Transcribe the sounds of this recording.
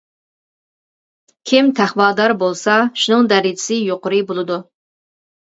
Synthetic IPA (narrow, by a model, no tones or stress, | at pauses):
kʲʰɪmt̪ʰæhwɑlˠd̪ɑɾbolˠsɑʃunɨŋd̪æɾid͡ʒʰɪ̥sɪjoqʊɾɨbolˠɨd̪ʊ